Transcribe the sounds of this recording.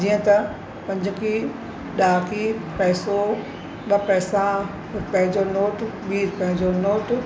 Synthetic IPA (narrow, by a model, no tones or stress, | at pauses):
d͡ʑiːə̃t̪ɐ | pɐ̃ɲd͡ʑki | ɗaːkiːpɛɦso | ɓɐpɛːsã | pɐ̃ɦɪ̃ɲd͡ʑonoːʈɓiːɾpɐ̃ɦɪ̃ɲd͡ʑonoːʈ